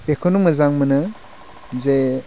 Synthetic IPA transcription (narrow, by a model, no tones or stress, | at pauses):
bekʰonumɯzaŋmɯnɯ | ze